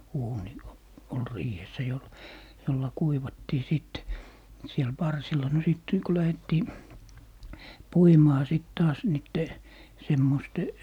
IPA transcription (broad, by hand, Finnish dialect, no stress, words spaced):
uːni o ol riːhesːæ jol jolːɑ kuiʋɑtːiː sit siel pɑrsilˑɑ no siˑt ku læhetːiː puimɑː siˑt tɑːs niːtːe semːoste